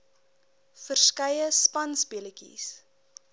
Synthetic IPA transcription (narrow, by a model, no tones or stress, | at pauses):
fərskɐjəspɐnsbiələkḭs